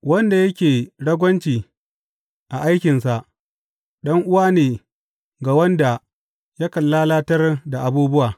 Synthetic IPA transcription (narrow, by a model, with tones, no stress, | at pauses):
wɐ˦nda˨jɐ˦kʲeː˨ɽɐ˦ɡʷɐ˦nt͡ʃiː˨ | ʔa˨ʔa˦jkʲɪ˨nsa˨ʔ | ɗɐ˦ŋʔʊ˦waː˦neː˨ | ɡa˨wɐ˦nda˨ | ja˦kɐ˨lːa˦laː˦tɐ˦rda˨ʔa˨buː˦bʊ˦waː˨